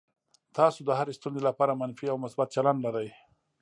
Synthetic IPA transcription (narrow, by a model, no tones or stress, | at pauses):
t̪ɑsod̪əhaɾest̪unzelapɑɾamanfiawmʊsbat̪̚t͡ʃalandlaɾaj